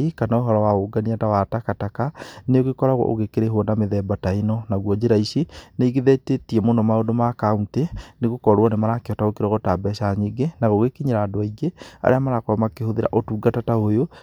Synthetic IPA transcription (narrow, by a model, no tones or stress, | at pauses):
ikanaoɦɔɾɔwaoɡaniatawatakatakaneoɣekɔɾaɣɔ̰ʔo̰ɣekeɾeɦwɔnameðɛbatainɔnaɣwɔd͡ʑeɾaisineiɣeðɛtetiɛmonɔmaondomakaunteneɣokɔɾwɔnemaɾakeɔtaokeɾɔɣɔtabɛʃaɲiɡenaɣoɣekiɲeɾaːdoaiɡea̰ɾeamaɾakoamakehoðeɾa̰ʔotuːɡatataojo